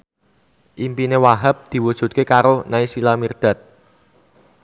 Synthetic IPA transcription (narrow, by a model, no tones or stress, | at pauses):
ʔimpinewaɦəp̚d̪̥i̤wud̥ʒ̥ṳt̪̚kekaɾonaisilamird̪̥a̤t̪̚